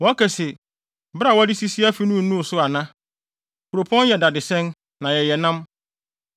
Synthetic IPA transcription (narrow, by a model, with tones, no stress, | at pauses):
wɔ˨˦a˦kʰɛ˨sɛ˨ | bɾa˦˨wɔ˦dɪ˦si˦si˦a˦fi˦nũ˦˨nũ˦˨sʊ˦a˨nã˦ | kʰu˨ɾo˨pʰɔ̃˦n˦jɛ˨da˨dɪ˨sɛ̃˦n | nã˨jɛ˨jɛ˨nã˦m